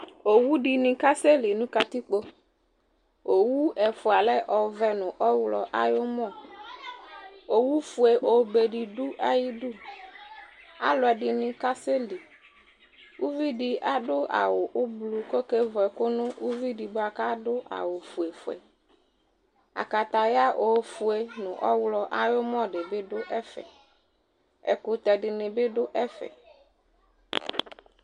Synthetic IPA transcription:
o˨wu˦ɖi˨nɪ̃˦ka˦se˦li˨nʊ̃˦ka˦t̪i˦k͡po˦ | o˨wu˦ɛ˨fʊ˨a˨lɛ˦ʔɔ˨vɛ˦nʊ̃˨ʔɔ˦wlɔ̰˨ʔa˦jo˦mɔ̃˦˨ | o˨wu˦fu˨e˨ʔo˨be˨ɖi˨ɖʊ˦ʔa˨ji˦du˦ | a̰˨lʊ˨ɛ˨ɖɪ˨nɪ̃˨ka˦se˦li˨ | wu˦vi˦di˨ʔa˦ɖʊ˦ʔa̰˨wʊ˨ʔʊ˦blu˨ko˦ke˦vɔ˨ɛ˨kʊ˦nʊ̃˦u˦vi˦di˨bʊ˦a˨ka˦dʊ˦ʔa̰˨wʊ˨fu˨e˨fʊ˨ɛ̰˨ | a̰˨ka˨t̪a˨ja˦ʔo˨fʊ˨e˨nʊ̃˨ʔɔ˦wlɔ˦ʔa˦jʊ˦mɔ̃˦ɖɪ˨bɪ˦ɖʊ˦ʔɛ˦fɛ̰˨ | ɛ̰˨kʊ˨t̪ɛ˨ɖɪ˨nɪ̃˨bɪ˦dʊ˦ʔɛ˦fɛ̰˨

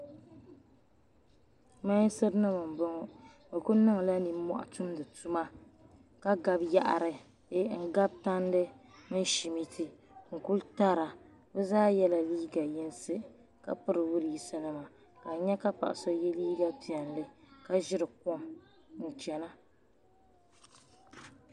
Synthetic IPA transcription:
ma˦ɲ˦sɨ˦ɾnɨ˦mɨ˨m˨bɨ˦ŋɔ˦ | bɨ˨kʊ˦nɨ˦ŋ˨la˦ni˨mɔ̰˦ʔa̰˨tu˦mdɨ˨tu˦ma˦ | ka˦ɡa˦bja˦ʔa̰˨ɾɨ˨˦ | ŋ̩˦ɡa˦b̚ta˦n˦dɨ˦ | mɨ˦n˦ʃi˨mi˦tʰɨ˦ | ŋ̩˨ku˦lta˦ɾa˨ | bɨ˦zaː˦jɛ˦la˨liː˦ɡa˨jɛ˦nsɨ˦ | ka̰˨pɨ˦ɾɨ˨wʊ˦ɾɨ˨ji˦sa˦nɨ˦ma˨ | ka˨˦ɲɛ˦ka˦pa̰˨ʔa̰˨so˦jɛ˦liː˦ɡa˦pi˨ɛ˨nlɨ˦ka˦ʒɪ˦ɾɨ˨k̚o˦m | n̩˨t͡ʃɛ˨na˦

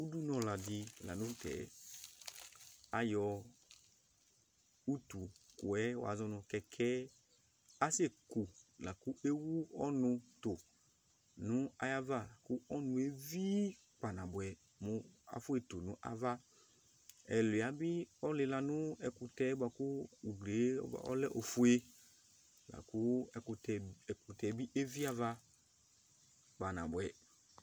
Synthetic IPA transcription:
u˦du˦nɔ̃˨la˨dɪ˧la̰˨nũ˦tɛ̰˨˦ | a˦jɔ˧ | u˦tu˨ku˨ɛ˦wɔ̰˨a̰˨zɔ˦nʊ̃˧kɛ˧kʰɛ˦ | a˦se˦˨ku˨la˨ku˦ʔe˦wu˦ɔ˦nʊ˧tʊ˨ | nʊ̃˦a˦ja˦va˦˨kʊ˦ɔ˦nũ˧˦e˦vi˦ | k͡pa˨nã˨bʊ˨ɛ˨ | mʊ˨a̰˨fʊ˦e˨to˨nʊ̃˦ʔa̰˦va˦ | ɛ˨lʊ˨a˨bɪ˦ɔ˦lɪ˧la˧nʊ˦ɛ˨kʊ˧tɛ˦bʷwa˨kʊ˦u˨ɡlḛ˨˦˨ɔ̰˦lɛ˦ʔo˨fu˦e˦ | la̰˨ku˦˨tɛ˨kʊ˨tɛ˨bi˦ʔe˦vi˦a˦va˦ | k͡pa˨na̰˨bʊ˨ɛ˨

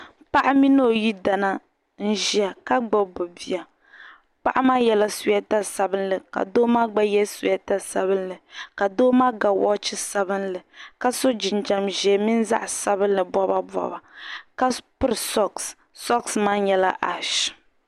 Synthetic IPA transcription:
pa˦ʔa˦mi˦no˦˨ji˦da˨na˦ | n̩˦ʒi˦a˨ka˦ɡ͡bo˦bʊ˨bi˨a˨ | pa˦ʔa˦maː˦jɛ˦la˦su˨ja˦ta˦sa˨bɨ˦nlɨ˨ka̰˨doː˦maː˦ɡ͡ba˦jɛ˦su˨ja˦ta˦sa˨bɨ˦nlɨ˨ka˨doː˦maː˦ɡa˨wɔ̰˦t͡ʃɪ˦sa˨bɨ˦nlɨ˨ka˦so˦d͡ʒi˨nd͡ʒa˨mʒɛ˨mi˦n˦za̰˦ʔsa˦bɨ˦n̩˦lɨ˨bɔ˦ba˦bɔ̰˨ba˨ka˦pʊ˦ɾɨ˨sɔ˦ks | sɔ˦ksmaː˦ɲɛ˦la̰˦ʔa̰˨ʃ

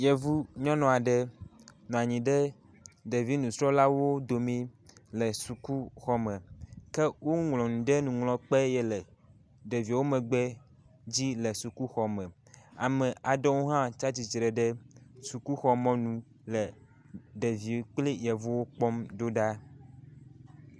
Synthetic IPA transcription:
jɛ˨vu˦ɲɔ̃˦nɔ̃˨a˨ɖɛ˦nɔ̃˨a˨ɲĩ˨ɖɛ˦ | ɖe˨vi˦nũ˨sɾɔ˦la˦wo˦d̪o˨mĩ˦lə˨su˨ku˦xɔ˦mɛ̃˨kɛ˦wo˦ŋlɔ̃˨nũ˨ɖɛ˦nũ˨ŋlɔ̃˦k͡pɛ˦jɛ˦lɛ˨ | ɖe˨vi˨wo˦mɛ̃˨ɡ͡bɛ˦ | d͡ʑi˦lə˨su˨ku˦xɔ˨mɛ̃˨ | a̰˨mɛ̃˨a˨ɖɔ˦wo˦ɦã˦t͡ʃa˦t͡ɕi˨t͡ʃɾɛ˨ɖə˦su˨ku˦xɔ˨mɔ̃˦nũ˦ | lə˨ | ɖe˨vi˨k͡pli˦jɛ˨vo˦wo˦k͡pɔ˦mdo˦ɖa˦

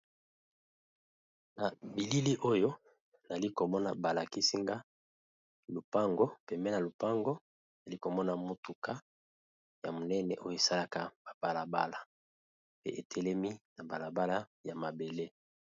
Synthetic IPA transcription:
na˨bi˨li˦li˦ʔo˦jo˦ | na˨li˦ko˨mɔ˦na̰˨ba˨la˨ki˦si˦ŋɡa˦ | lu˨pa˦ŋɡo˦pɛ˨mbɛ˦na˨lu˨pa˦ŋɡo˦ | na˨li˦ko˨mɔ˦na˨mo˨tu˨ka˦ | ja˨mo˨nɛ˦nɛ̰˨ʔo˦jo˦e˨sa˦la˦ka˦ba˨b̥a˨la˨ba̰˦la˨ | pḛ˦ʔe˨tʰɛ˦lɛ˦mi˦na˨ba˨la˨ba˦la˦ja˨ma˨be˨le˦

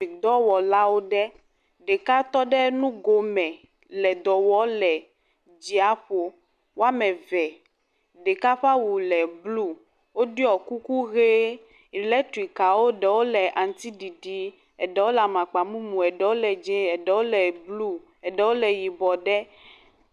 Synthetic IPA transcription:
i˨d̪ɔ˦wɔ˨la˦wo˦ɖɛ˦ | ɖe˨ka˦t̪ɔ˦ɖɛ˦nũ˦ɡo˦mɛ̃˨ | lɛ˨d̪ɔ˨wɔ˦lɛ˨ | d͡ʑi˨a˦ɸo˦ | wo˦a˦mɛ̃˨vɛ˨ | ɖe˨ka˦ɸa˦wu˨lɛ˨blu˦ | wo˦ɖi˦ɔ˨ku˦ku˦ɣe˦˨ | lɛ˦tu˨i˨ka˨wo˦ɖɛ˨wo˦lɛ˨ʔa˨ŋ˨t̪i˦ɖi˨ɖi˦ | ɛ˨ɖɛ˦wo˦la˨mã˨k͡pa˨mũ˦mũ˨ɛ˨ɖɛ˨wo˦lɛ˨d͡ʒɛ˦ɛ˨ɖɛ˨˦wo˦lɛ˨blu˦ | ɛ˨ɖɛ˨wo˦lɛ˨ji˨bɔ˨ɖɛ˦

